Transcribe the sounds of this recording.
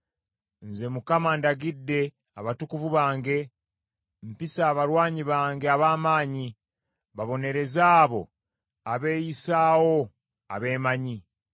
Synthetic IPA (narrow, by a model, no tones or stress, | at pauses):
nze̞mukamandaɡidːe̞ | aβatukuvuβaːŋɡe̞ | mpisaːβaɾwaːɲiβaːŋɡe̞aβaːmaːɲi | βaβo̞ne̞ɾe̞zaːβo̞̰ | aβe̞ːjisaːwo̞ | a̰βe̞ːmaɲi